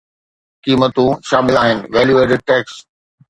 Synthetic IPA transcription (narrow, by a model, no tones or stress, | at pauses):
kiːmət̪ũʃaːmɪlaːɦɪnɪ̆ʋɛːljueːʈəɖ̚ʈɛːks